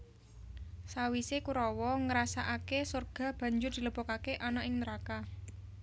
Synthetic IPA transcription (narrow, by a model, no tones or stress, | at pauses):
sawisekuɾɔwɔŋəɾasaʔakesorɡ̥a̤b̥ä̤ɲd͡ʒʊrd̪̥i̤ləb̥ɔkakeʔɔnɔʔɪŋnəɾaka